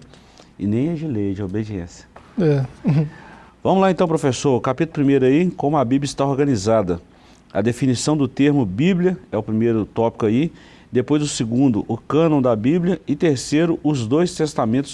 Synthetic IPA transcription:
ɪ̰nẽj̃ɛd͡ʒɪlejd͡ʒɪobed͡ʒiḛ̃sjɐ̥ɛ | vɐ̃mʊzlaẽnt̪ɐ̃w̃pɾofesoɾʊkapit̪ʊlʊpɾimejɾʊɐikõmʊɐbiblɐɪist̪aoɾɡɐ̃nizad̪ɐ | ɐ̰d̪efinisɐ̃w̃d̪ʊt̪eɾmʊbiblʲiɐɛʊpɾimejɾʊt̪ɔpi̥kʊai | d̪epojzʊsɪɡũnd̪ʊʔʊkɐ̃nõw̃d̪ɐbibljɐɪt̪eɾsejɾʊʔʊzd̪ojst̪est̪amẽnt̪ʊ̥s

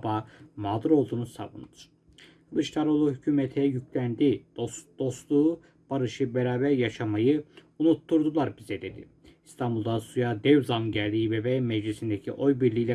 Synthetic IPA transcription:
baːmaːd̪ɯɾo̞lˠd̪uːnusa̰vṵnɯd̪ɯɾ̥ | lˠɯʃt̪ʰaɾolˠuɦycʰyːmɛt̪ʰɛjyclʲænd̪id̪̥o̞st̪lˠuː | b̥aɾɯʃɯbɛɾaːbæɾjaʃamajɯ | unut̪ʰːuɾd̪ulˠaɾbizɛd̪e̞d̪ḭ | ist̪ʰambulˠd̪asujad̪ɛvzanɟæɾlʲijibebɛmɛd͡ʒlisind̪ecʰiʔo̞jbiɾlʲiːlʲɛ

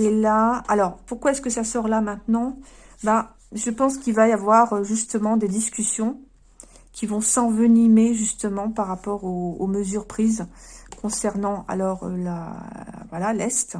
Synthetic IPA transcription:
elaalɔʁpuʁkwaɛskəsasɔʁlamɛ̃t̪nɑ̃ba | ʒəpɑ̃skʲilvajavwaʁøʒyst̪əmɑ̃d̪ed̪iskʲysjɔ̃ | kʲʰivɔ̃sɑ̃vənimeʒyst̪əmɑ̃paʁːapɔʁoːməzyʁpχizkɔ̃sɛʁnɑ̃a̰lɔʁø̰la̰vwalalɛst̪

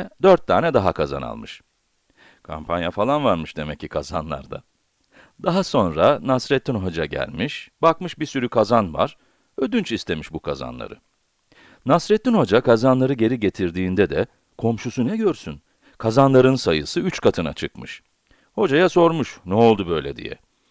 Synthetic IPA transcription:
d̪øɾt̪ʰːaːnɛd̪aɦakʰaza̰na̰lˠmɯʃ | kʰa̰mpʰanjafalˠanvaɾmɯʃd̪emɛcːikʰaza̰nlˠa̰ɾd̪a̰ | d̪aɦaso̞nɾanasɾɛt̪ʰːinɦo̞d͡ʒaɟæ̰lʲmiʃbakmɯʃbisyɾykʰazanva̰ɾ̥ | ød̪ynt͡ʃist̪ʰe̞miʃbukʰaza̰nlˠa̰ɾɯ̰ | nasɾɛt̪ːinho̞d͡ʒakʰazanlˠaɾɯɟe̞ɾiɟe̞t̪ʰiɾd̪iːnd̪ɛd̪ɛ | kʰo̞mʃusunɛɟøɾsyn | kʰazanlˠaɾɯnsajɯsɯyt͡ʃkʰat̪ʰɯna̰t͡ʃʰɯkmɯʃ | ho̞d͡ʒajaso̞ɾmuʃnɛo̞lˠd̪ubø̞jlʲḛd̪ḭjɛ̰

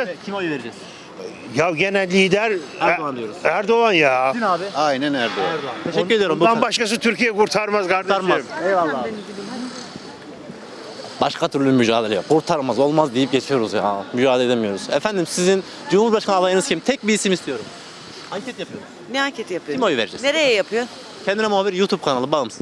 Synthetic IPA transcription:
iojeɾd͡ʒɛ | jawɟenælʲlʲːiːd̪æɾand̪ijoɾuzæɾd̪o̞anjaːaːbɪajnænæɾd̪oɾd̪aeʃɛcːyɾed̪ijoɾimbanbaʃkas̬ɯt̪ʰyɾcijɛkuɾt̪ʰaɾmazɡaɾd̪aɾmaenimid̪i | baʃkʰat̪ʰyɾlʲymyʒa̰ːlʲˠelʲejokʰuɾt̪ʰaɾmazo̞lˠmazd̪ijip̚ɟet͡ʃʰijo̞ɾuzjamyd͡ʒaːlˠeed̪emijo̞ɾuz̥ɛfænd̪imsizin | d͡ʒumhuɾbaʃkʰanalˠajɯnɯzcʰimt̪ʰɛc̚biisimist̪ʰijo̞ɾum | haɲcʰɛt̪japʰɯjoɾu | neaɲcʰet̪ʰijapʰɯimojuveɾd͡ʒɛ̰sneɾejɛjapʰɯjo | cʰɛnd̪inɛmuɦabiɾjuːt̪ʰub̚kʰanalˠɯbalˠɯms

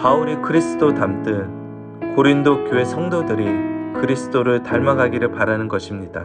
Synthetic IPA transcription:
pauɾikɯɾisʰɯ̥dotamt͈ɯn | koɾindokjoe̞sʰʌŋdodɯɾikɯɾisʰɯ̥d͈oɾɯɭtaɭmaɡaɡiɾɯɭpaɾanɯnɡʌɕʰimɲida̰

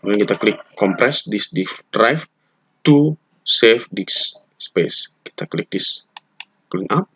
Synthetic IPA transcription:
ɡɛnkit̪aklɪkːɔmpɾɛsdisdifdɾajf | t̪u | sefdis | speski̥t̪aklɪk̚dis | klinʔap̚

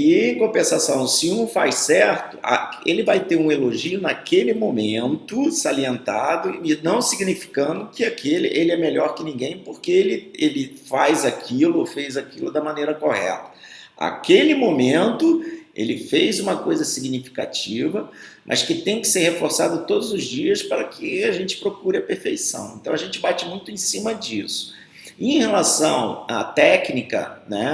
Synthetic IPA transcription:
ĩj̃kõpẽsasɐ̃w̃sɪũfajsɛɾt̪ʊʔa̰elɪvajt̪eɾũeloʒiʊnakelɪmõmẽnt̪ʊsaliẽnt̪ad̪ʊɪnɐ̃w̃siɡnifi̥kɐ̃nd̪ʊkɪakʰelɪ̰ʔelɪɛmeʎɔɾkɪnĩɡẽj̃poɾkeelɪelɪfajzakʰilʊofejzakilʊd̪ɐmɐ̃nejɾɐkohɛ̰t̪ɐ̥a̰kelɪmõmẽnt̪ʊḛlɪfejzũmɐkojzɐsiɡnifi̥ka̰t͡ʃivɐ | mʔɐ̰skɪt̪ẽj̃kɪ̥seɾhefoɾsad̪ʊt̪od̪ʊzʊzd͡ʒiɐspaɾɐkʰɪaʒẽnt͡ʃɪ̥pɾokuɾɪɐpeɾfejsɐ̰̃w̃ḛ̃nt̪ɐ̃w̃aʒẽnt͡ʃɪbat͡ʃɪmũj̃t̪ʊẽj̃sĩmɐd͡ʒisʊ̥ | ẽj̃helasɐ̃w̃a̰t̪ɛknikɐ̰nɛ

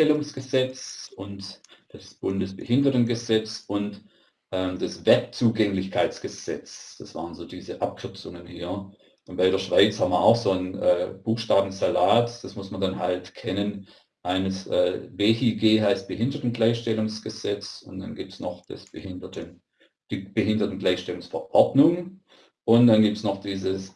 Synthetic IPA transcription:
ɛlʊŋsɡ̥əzɛt͡sʔʊntd̥asb̥ʊndəsb̥əhɪndɐtn̩ɡəzɛt͡sʊnt | ʔɛːmd̥ɛsvɛɐp̚t͡suːɡɛŋlɪçkʰaɪt͡sɡ̥əz̥ɛt͡sd̥asv̥a̰ːʁənzoːdiːzəʔap̚kʰʏɐt͡sʊŋənhḭːɐ | ʔʊnb̥aɪɾeːɐʃv̥aɪt͡shabm̩viɐaʊxz̥oːənʔɛːb̥uːxʃtaːbm̩zalaːtd̥asmʊsmɐndanɦaltkʰɛnən | ʔaɪnəsʔɛːveːhiːɡeːɦaɪst̚b̥əhɪndɐtn̩ɡlaɪçʃtɛlʊŋsɡ̥əz̥ɛt͡sʊnd̥a̰nɡiːp̚tsnɔχd̥ɛ̰sb̥əhɪndtə̥ | ib̥əɦɪndɐtn̩ɡlaɪçʃtɛlʊŋsfɐʔɔɐdnʊŋ | ʔʊntd̥anɡiːp̚tsnɔχd̥iːzəs

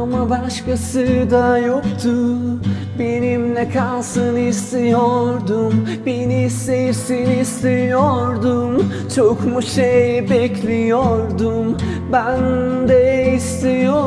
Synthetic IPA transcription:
amabaʃkasɯd̪ajokt̪ʰu | be̞nimlɛkʰalˠsɯnist̪ejoɾd̪um | benisesenist̪ʰejoɾd̪um | t͡ʃʰokmuʃejbɛclʲijoɾd̪um | bænd̪ɛist̪ejo

